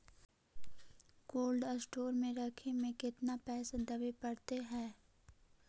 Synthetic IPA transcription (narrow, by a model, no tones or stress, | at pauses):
koːlɖəsʈoːɾmẽɾɐkʰemẽkɪt̪napɛːsad̪ɐʋepɐɽt̪eɦɛ̃ː